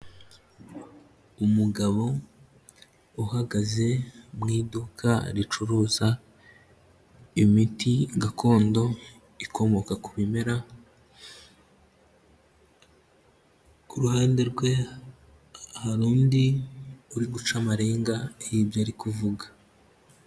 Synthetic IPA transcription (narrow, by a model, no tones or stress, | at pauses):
umuɡaβo̞ | uhaɡaze̞mŋiːdukʰa̰ɾit͡ʃuɾuːza | imitiɡakʰo̞ːndo̞ | ikʰo̞mo̞kakuβime̞ɾa | kuɾuhaːndeɾɡwe̞ | ahaɾuːndiuɾiɡut͡ʃamaɾeːŋɡajibjoɾikuvuɡḁ